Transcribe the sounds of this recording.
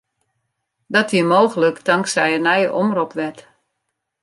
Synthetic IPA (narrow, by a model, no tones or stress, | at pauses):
dɔtiəmoːɣələkdaŋksɛjənɛjəʔomrɔpʋɛt